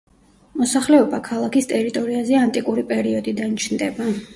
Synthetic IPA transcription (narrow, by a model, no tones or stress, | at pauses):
mɔsaχlɛɔbakʰalˠakist̪ʼɛɾit̪ʼɔɾiazɛant̪ʼikʼuɾipʼɛɾiɔd̪id̪ant͡ʃʰnd̪ɛba